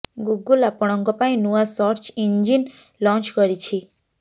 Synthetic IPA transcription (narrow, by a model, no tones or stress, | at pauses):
ɡuɡulapɔɽ̃ɔŋkɔpaĩnuasɔɾt͡ʃiɲd͡ʒin | lɔ̃nt͡ʃkɔɾit͡ʃʰi